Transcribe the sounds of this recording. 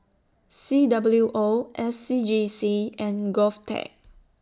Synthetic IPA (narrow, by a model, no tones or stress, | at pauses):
sidabəljuʔoʔɛsːid͡ʒisiɛ̃nɡɔftʰɛ̰k̚